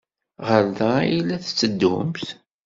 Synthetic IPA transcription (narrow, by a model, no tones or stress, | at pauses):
ʁəɾðailæθt͡sːəd̪ːʊ̰mθ